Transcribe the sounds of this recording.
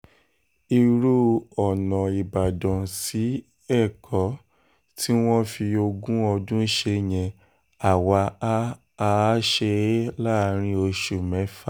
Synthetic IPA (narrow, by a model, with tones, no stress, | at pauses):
i˧ɾu˦ɔ˨nɔ̃˨i˨ba˨dɔ̃˨si˨˦ | ɛ˦˨kʰɔ˨˦ | tʰi˦w̃ɔ̃˦fi˧o˧ɡũ˦ɔ˧dũ˦ʃe˧j̃ɛ̃˧ | a˨wa˧a˦ | a˧˦ʃe˧˦la˦˧ɾ̃ĩ˧˦o˧ʃu˨mɛ̃˨˦fa˦˨